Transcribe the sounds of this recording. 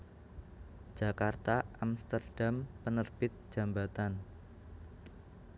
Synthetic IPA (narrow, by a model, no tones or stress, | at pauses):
d͡ʒ̥a̤kart̪aʔamst̪ərɖ̥ampənərb̥ɪt̪̚ʒ̥a̤mbat̪an